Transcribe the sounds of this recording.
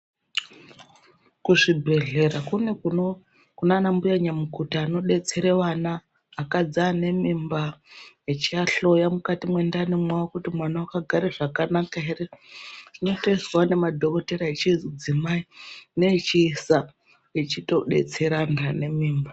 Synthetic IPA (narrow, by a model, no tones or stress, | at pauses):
kuʐibʱe̞ɮe̞ɾakuneuo | kunaːnambujaɲamukutaːno̞ɗe̞t͡se̞ɾeʋanaː | kad͡zaːne̞mimba | et͡ʃiaɬo̞jamukatimwe̞ndanemwawokutimwanawakaɡʱaɾeʐakanakaereʐ̥ino̞teswane̞madʱo̞ko̞teɾaet͡ʃizd͡zimaineit͡ʃiːsa | et͡ʃito̞ɗe̞̰t͡se̞ɾanrane̞miːmba